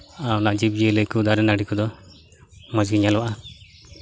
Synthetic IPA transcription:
awnaʔd͡ʒib̚d͡ʒiələkud̪aɾɛnaɖikud̪ɔ | mad͡ʒɡiɲalwaʔa

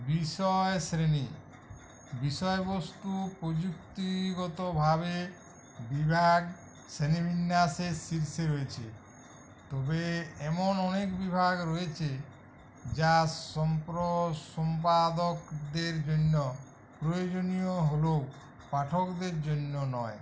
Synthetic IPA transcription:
biʃɔesɾeni | biʃɔebost̪upɾod͡ʑukt̪iɡɔt̪obʱaβe | bibʱaɡ | sɾenibʱinːasesiɾseɾoet͡ɕʰḛ | t̪ɔbeɛmonɔnekbibʱaɡɾɔet͡ɕʰe | d͡ʑaɔmpɾosɔmpad̪okd̪eɾd͡ʑonːɔ | pɾojod͡ʑonijoɦolo | paʈʰokd̪eɾd͡ʑonːonɔe

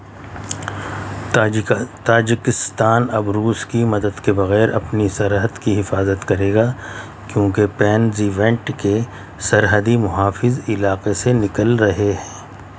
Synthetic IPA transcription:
t̪aːd͡ʒɪkɪst̪aːnɐbɾuːskimɐd̪əd̪kebɐɣɛːɾɐ̰pnisɐɾɦəd̪kiɦɪfaːzət̪kɐɾeːɡaː | kjõːkepɛːnziːʋɛ̃ɳʈke | sɐɾɦəd̪imʊɦaːfɪzɪlaːqesenɪkəlɾɐɦeɦɛ̃ː

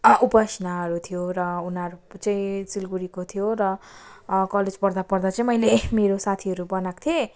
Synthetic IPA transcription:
ʔupʌsnaɦʌɾut̪ʰijoɾʌunʌɾut͡sãĩt͡silɡuɾikot̪ʰijoɾʌ | kʌled͡zpʌrd̪apʌrd̪at͡sãĩmʌjlemeɾosat̪ʰiʌɾubʌnakt̪ʰije

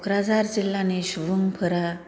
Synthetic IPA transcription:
kɾad͡zaɾd͡ʑilːaneɕuʋəŋpʰəɾa

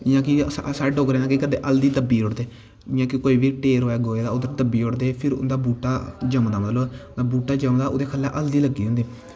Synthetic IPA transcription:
ɪjãːkisaːɖoːkɾẽːnãːkikəd̪ḛːʔəld̪iːd̪əbiːoɽd̪eː | jãːkɪkoːiːbiːʈeːɾoːɛːɡoːeːd̪aːʊd̪əɾt̪əbːiːʊɽd̪eːpʰɪɾʊ̰nd̪aːbuːʈːaːd͡ʒəmd̪aːmət̪loːd̪abuːʈːaːd͡ʒəmd̪aːo̰ːd̪eːkʰəlːaʔəld̪iːləɡiːõnd̪eː

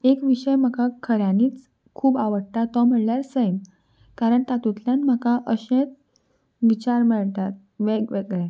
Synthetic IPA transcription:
ekʋiɕəjm̤əkakʰəɾjãniːt͡s | kʰuːbaʋəɽt̪at̪ːam̤əɳljaɾsəjm | kaɾəɳt̪at̪ut̪ljanm̤əkaʔəɕẽt͡s | ʋit͡ɕaɾməɭt̪at̪̚ | ʋeɡʋeɡɭɛ

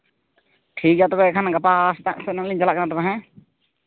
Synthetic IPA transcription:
ʈʰik̚d͡ʒat̪ɔkɔɛkʰanaɡapast̪ã̰ʔsənãŋliɲd͡ʒalaʔkɛnat̪̬ɔkaɦɛ̃

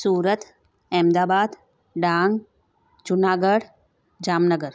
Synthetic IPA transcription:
suːɾət̪ | ɛːmd̪aːbaːd̪ | ɖaːŋɡ | d͡ʒʊnaːɡəɽ | d͡ʒaːmnəɡəɾ

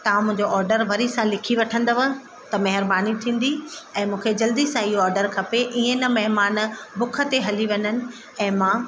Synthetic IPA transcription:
t̪ɐãmʊ̃ɦɪ̃ɲd͡ʑoʔɔːɾɖəɾʋɐɾisãlɪkʰiʋɐʈʰə̃nd̪əʋə | t̪ɐmɐɦɪɾbaːnit̪ʰĩːn̆d̪iɛ̃ːmũːkʰed͡ʑɐld̪isãɪɦoɔːɾɖəɾkʰɐpeʔiːẽnɐmɐɦɪmaːnbʊkʰə̆t̪eɦɐliʋɐɲənɪ̆ | ɛ̃ːmãː

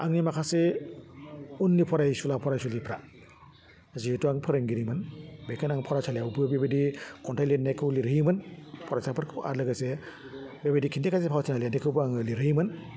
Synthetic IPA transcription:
aŋnimakʰase | unːipʰɔɾajsulapʰɔɾajsulipʰɾa | zituaŋpʰɯɾɯŋɡiɾimɯnbekʰɯnaŋpʰɔɾat͡ʃʰalijawbɯbebedikɔntʰajlenːakʰɯwliɾɯimɯnpʰɔɾasapʰɯɾkʰɯʔa̰tlɯɡɯse | bebedikʰindikʰazipʰawtʰinalenekʰɯwbɯaŋɯliɾɯimɯn

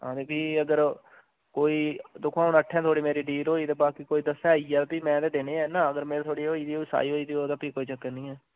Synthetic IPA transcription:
ɦãːd̪eːpiːəɡəɾ | koːiːd̪ʊkʰːaːʊnəʈʰːɛ̃ːt̪ʰoːɽiːmeːɾiːɖiːlɦoːiːd̪eːbaːkikoːiːd̪əsːɛ̃ːiaːpiːmɛ̃ːd̪eːd̪eːneːɛːnãːəɡəɾmeːɾet̪ʰoːɽiːɦoːiːd̪iːoːsa̰ːiːɦoːiːd̪iːɦoːt̪aːpiːkoːiːt͡ʃəkːənĩːɛː

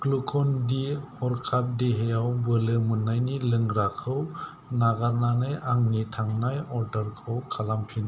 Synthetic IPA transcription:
klukʰɔndihɔɾkʰap̚deɦeawbɯlɯmɯnajnilɯŋɾakʰɯw | naɡaɾnanɯjaŋnitʰaŋnajɔɾdaɾkʰɯwkʰalampʰin

